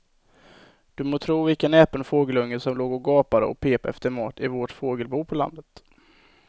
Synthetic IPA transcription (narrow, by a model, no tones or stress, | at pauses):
d̪̥ɵmoːt̪ʰɾuːvɪlkənɛːpənfoːɡəlɵŋːəsɔmloːɡɔɡɑːpad̪ə̰ɔ̰kpʰeːpaɛ̰ft̪əɾmɑːʈ̪ɪvoʈfoːɡəlbuːpʰɔla̰nd̪ət̪